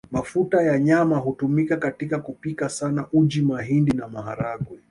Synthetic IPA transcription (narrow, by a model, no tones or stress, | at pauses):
mafutajaɲamaɦutumikakatikakupikasanaʔud͡ʒimaɦindinamaɦaɾaɡwɛ